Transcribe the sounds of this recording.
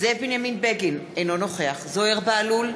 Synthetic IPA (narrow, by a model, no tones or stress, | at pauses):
zebinjaminbeɡinejnono̞χe̞aχzoeʁbaalul